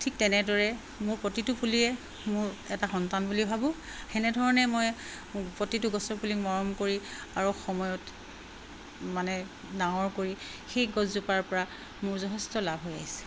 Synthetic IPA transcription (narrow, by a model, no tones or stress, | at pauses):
tʰik̚tɛnɛdɔɹɛ | mʊɹpɹɔtitʊpuliɛ | mʊɹɛtaxɔntanbulibʱabʊ̃ | xɛnɛdʱɔɹɔnɛmoj | pɹɔtitʊɡɔsɔɹpulikmɔɹɔmkoɹiaɹuxɔmɔjɔt | manɛ | dãɔɹkoɹi | xejɡɔzzupaɹpɔɹa | mʊɹzɔɦɛstɔlabʱɦoja̰jsɛ̥